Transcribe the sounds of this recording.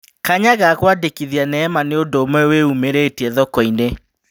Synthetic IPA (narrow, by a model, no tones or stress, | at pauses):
kaɲaɣakwadekiðianɛːmaneondoːmwɛweumeɾeːtiɛðɔkɔine